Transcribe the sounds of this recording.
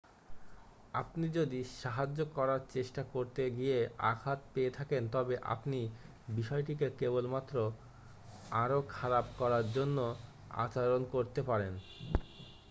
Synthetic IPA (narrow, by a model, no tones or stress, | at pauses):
apnid͡ʑod̪iʃaɦad͡ʑːokɔɾaɾt͡ɕeʃʈakoɾt̪eɡijea̰kʰat̪̚peet̪ʰakent̪ɔbeʔa̰pni | biʃɔeʈikekebolmat̪ːɾo | aɾokʰaɾab̚kɔɾaɾd͡ʑonːo | a̰t͡ɕaɾonkoɾt̪epaɾen